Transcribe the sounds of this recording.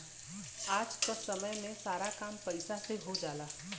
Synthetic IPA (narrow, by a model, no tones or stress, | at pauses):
aːd͡ʒkəsəməjmẽsaːɾakaːmpəɪsaseɦod͡ʒaːlaː